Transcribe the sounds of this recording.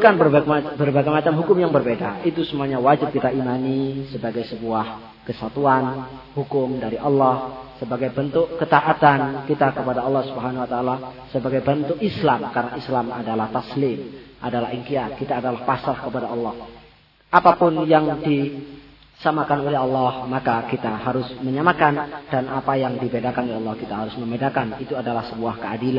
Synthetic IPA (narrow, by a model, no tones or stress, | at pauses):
bukanbəbərbaɡajmat͡ʃamɦukʊmjaŋbərbedait̪usəmuaɲawad͡ʒɪt̪̚kit̪aʔimanisəbaɡajsəbuah | kəsat̪uan | hukʊmdaɾiʔɑlːɔhsəbaɡajbənt̪ʊkkːət̪aʔat̪ankit̪akəpadaɑlːɔhsubəɦanhuwat̪aːlasəbaɡajbənt̪ʊkislamkarənaʔislama̰dalaht̪aslɪmʔadala̰ɦiŋkiat̪̚kit̪aːdalahpasahkəpadaɑlːɑh | ʔapapʊnjaŋdi | samakanolɛɑlːɑhmakakit̪aɦaɾʊsməɲamakandanʔapajaŋdibedakanolɛɑlːɔhkit̪aɦaɾʊsməmbedakanit̪uadalahsəbuahkəadilan